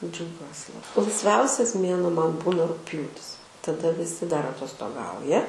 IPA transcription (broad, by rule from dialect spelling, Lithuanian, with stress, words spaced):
d͡ʒʲɛʊˈɡʲuɔs lˠɐɪsʲˈʋʲɛʊsʲɛs ˈmʲeːnuɔ ˈmɐn ˈbuːnɐ rʊkˈpʲjuːtʲɪs tɐˈdɐ ʋʲɪˈsʲɪ dɐr ɐtoːstoːˈɡɐʊjɛ